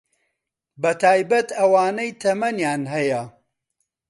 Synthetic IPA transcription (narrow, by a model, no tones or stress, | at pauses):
bɐt̪ʰaːjbɐt̪ɐwaːnɐjt̪ʰɐmɐnjaːnɦɐjɐ